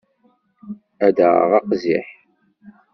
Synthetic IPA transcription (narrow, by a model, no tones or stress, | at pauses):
æd̪əʁ̰ʁɑqzḭħ